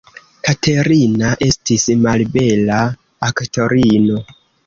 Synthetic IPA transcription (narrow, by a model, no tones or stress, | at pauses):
katʰe̞ɾinaʔe̞stismalbe̞laː | kto̞ɾino̞